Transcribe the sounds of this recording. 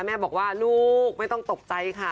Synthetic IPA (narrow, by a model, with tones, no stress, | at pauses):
mɛː˥˩bɔː˨˩k̚waː˥˩luː˥˩k̚ma˥˩jt̪ɔ˥˩ŋt̪o˨˩k̚t͡ɕa˧jkʰa˥˩